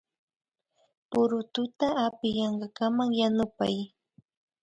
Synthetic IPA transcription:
pʊɾʊt̪ʊt̪aːpɪjɑɴɢɑkamaŋjanʊpa̰j

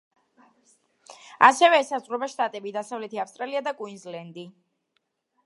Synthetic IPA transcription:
asɛvɛːsazʁɾɔbaʃt̪ʼat̪ʼɛbid̪asavlɛt̪ʰiafst̪ʼɾaliad̪akʼwinzlɛnd̪i

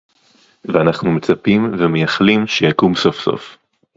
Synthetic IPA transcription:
veanaχnumet͡sapimvemejaχlimʃejakumso̞fso̰f

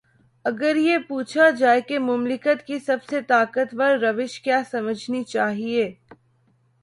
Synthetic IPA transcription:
ɐɡəɾjepuːt͡ʃʰad͡ʒaːekemʊmlɪkət̪kisɐbset̪aːkət̪ʋɐɾːɐʋɪʃkjaːsɐməd͡ʒʱnit͡ʃaːɦieː

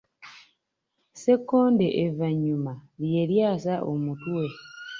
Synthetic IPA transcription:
se̞kːo̞ːndeʔevaɲːumalje̞ɾjaːsaʔomutuwe̞

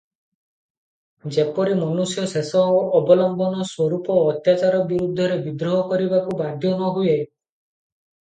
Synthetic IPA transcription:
d͡ʒepɔɾimɔnusjɔsesɔːbɔlɔmbɔnɔswɔɾupɔːt̪jat͡ʃaɾɔbiɾud̪ʱːɔɾebid̪ɾɔɦɔkɔɾibakubad̪ʱjɔnɔɦue

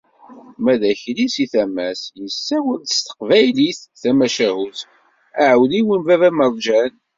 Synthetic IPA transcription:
mæðæçlisiθæmæsjəsːæwəɾd̪əst̪ə̥qvæjliθθæmæʃæhuθ | æʕəwliwənvævæməɾˤd͡ʒæn

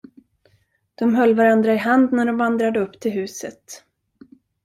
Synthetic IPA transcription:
d̪̥ɔmɦœlːvaɾand̪ɾaɪɦand̪næɖɔmvand̪ɾad̪əɵpːt̪ʰɪlɦʉ̟ːsət̪

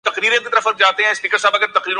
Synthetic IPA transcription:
t̪ɐqɾiːɾẽkit̪əɾəfɐɾk̚d͡ʒaːt̪eɦɛ̃ːspiːkəɾsaːbɐɡəɾt̪ɐqɾiːɾõ

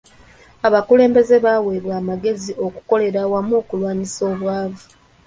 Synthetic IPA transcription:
aβakule̞ːmbe̞ze̞βaweβwaːmaɡe̞zio̞ku̥ko̞le̞ɾawamuːkulwaːɲiso̞ːβwaːvu

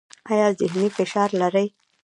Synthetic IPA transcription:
ajɑzɪɦnifɪʃɑɾlaɾəj

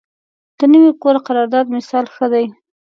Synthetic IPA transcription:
d̪̥ənəwikoɾaqaɾɑɾd̪ɑd̪mɪsɑlxəd̪aj

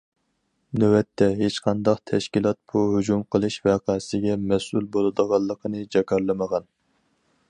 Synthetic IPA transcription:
nøwɛt̪ʰːɛɦet͡ʃqʰɑnd̪ɑqt̪ʰɛʃkʲilˠɑt̪̚b̥uɦyd͡ʒumqʰəlˠɨʃvɛqʰɑsɪɡʲɛmɛsulˠbolˠɨd̪əʁɑlˠːəqʰənɨd͡ʒɑkʰɑɾlˠɨməʁɑn

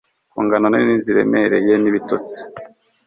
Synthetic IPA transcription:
kuːŋɡanoneiniziɾe̞̰meɾḛjeniβito̰t͡si̥

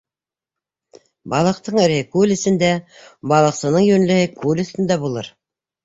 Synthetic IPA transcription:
bɑlˠɤ̆qt̪ɤɴɘ̆ɾhɘkʉlɘ̆sɘ̆nd̪æbɑlˠɤ̆qsɤ̆nɤɴjɵnlɘ̆hɘkulɘ̆sɘ̆nd̪æbulˠɤ̰ɾ

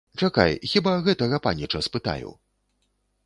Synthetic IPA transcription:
t͡ʂaka̰jxʲibaɣɛt̪ɐɣɐpanʲit͡ʂɐspɨt̪a̰jṵw

